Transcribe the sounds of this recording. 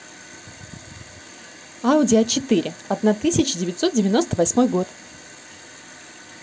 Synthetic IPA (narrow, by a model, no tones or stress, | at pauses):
aʊdʲɪɐt͡ɕɪt̪ɨɾʲʔɪɐd̪nat̪ɨsʲɪt͡ɕɪdʲɪvʲɪt̪ʲso̞t̪̚dʲɪvʲɪno̞st̪əvɐsʲmo̞jɡo̞t̪